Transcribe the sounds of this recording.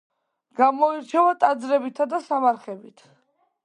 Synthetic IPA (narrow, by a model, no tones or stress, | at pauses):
ɡ̥amɔiɾt͡ʃʰɛvat̪ʼad̪zɾɛbit̪ʰad̪asamaɾχɛbit̪ʰ